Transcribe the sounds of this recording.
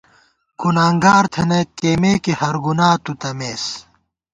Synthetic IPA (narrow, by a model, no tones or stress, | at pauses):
kunaːŋɡaːɾt̪ʰenekeːmeːkihɐɾɡunaːt̪ut̪ɐmeːs